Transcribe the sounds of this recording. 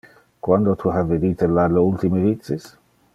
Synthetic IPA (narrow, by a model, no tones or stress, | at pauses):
kwand̪ot̪ʰuɦaved̪iːt̪elalːeult̪imevit̪sːis